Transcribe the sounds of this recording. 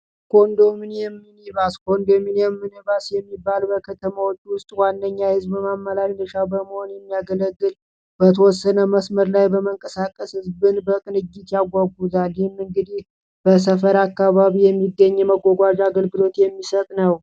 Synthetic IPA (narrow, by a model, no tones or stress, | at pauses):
kʰo̞nd̪o̞mɨnjɛmːɨniβaskʰo̞nd̪omɨnjɛmːɨnɨβasjɛmːibːalbəkʰət̪ʰəmawot͡ʃʼːwʊst̪ʼwanːəɲːahɨzbbəmamːəlaɾnɨʃabəməho̞njɛmːijaɡələɡːɨl | bət̪ʰəwɔsːənəməsməɾlajbəməŋkʼəsakʼəshɨzbɨnbəkʼɨnɨd͡ʒːit̪jaɡʷaɡuzalhɪmɨŋɡɨd̪ih | b̥əs̬əfəɾakːaβaβijɛmːiɡːəɲːɛməɡːoɡʷad͡ʒaɡəlɡɨlo̞t̪jɛmːisət̪ʼnəw